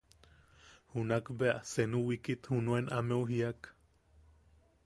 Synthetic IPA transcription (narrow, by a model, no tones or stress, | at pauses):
hunakbea̰ʔsenuwikit̪hunuenʔameuɦiak